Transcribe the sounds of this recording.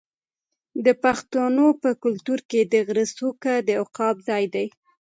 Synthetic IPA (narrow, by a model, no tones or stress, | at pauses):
d̪əpaxt̪onopəkʊlt̪uɾked̪əɣɾəsukad̪əʊqɑbzɑjd̪aj